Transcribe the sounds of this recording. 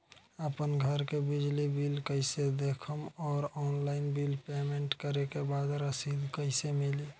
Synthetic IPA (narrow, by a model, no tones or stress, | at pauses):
əpənɡʱəɾkebid͡ʒlibilkəɪsed̪ekʰəmɔːɾɔːnlaɪnbilpemẽɳʈkəɾekebad̪ɾəsid̪ʱkəɪsemili